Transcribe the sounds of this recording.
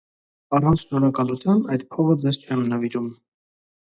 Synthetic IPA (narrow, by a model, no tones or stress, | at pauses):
ɑrɑnt͡sʰʃnɔɾɑkɑlut͡sʰjɑmbɑjd̪pʰɔʁəd͡zɛzt͡ʃʰɛmnɑviɾum